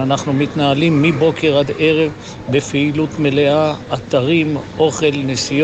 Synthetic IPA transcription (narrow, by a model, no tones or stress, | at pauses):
anaχnumit̪naalimːibo̞ke̞ʁad̪e̞ʁe̞v | befeilut̪meleaːt̪aʁimʔo̞χe̞lnesij